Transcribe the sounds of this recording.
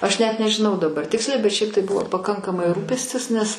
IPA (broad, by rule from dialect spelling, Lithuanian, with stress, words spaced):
ˈɐʃ nʲɛt nʲɛʒʲɪˈnɐʊ dɐˈbɐr ˈtʲɪksʲlʲɛɪ bʲɛt ˈʃʲɛɪp tɐɪ ˈbʊʋoː pɐˈkɐŋkɐmɐɪ ˈruːpʲɛsʲtʲɪs nʲɛs